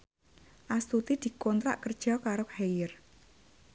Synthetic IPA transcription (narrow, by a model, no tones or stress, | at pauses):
ʔast̪ut̪id̪̥i̤kɔnt̪ɾa̰ʔkərd̥ʒ̥ɔ̤kaɾohejɪr